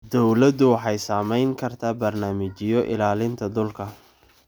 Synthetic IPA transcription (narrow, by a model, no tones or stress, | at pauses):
d̪ɔwlɐd̪ʊwɑħɑjsaːmɛjŋkʰɐrt̪ʰaːbɐrnaːmɪt͡ʃɪjɔʔɪ̰laːlɪnt̪ʰɐd̪ʊlkʰɐ